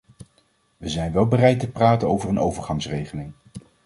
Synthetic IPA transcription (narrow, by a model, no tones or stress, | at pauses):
ʋəzɛjnʋɛlˠbərɛjtəpraːtənowvəɹənowvəɹχɑŋsrejχəlɪŋ